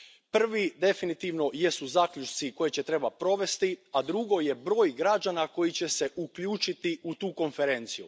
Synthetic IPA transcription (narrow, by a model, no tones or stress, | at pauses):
pr̩ʋid̪e̞finit̪iʋno̞jesuzaːkʎʲut͡ʃt̪siko̞je̞t͡ɕe̞t̪ɾe̞bapɾo̞ʋe̞st̪iad̪ɾuɡo̞je̞bɾo̞ːjɡɾad͡ʑanako̞jit͡ɕe̞se̞ʔukʎuːt͡ʃit̪iut̪uːko̞nfe̞ɾe̞nt̪sijṵ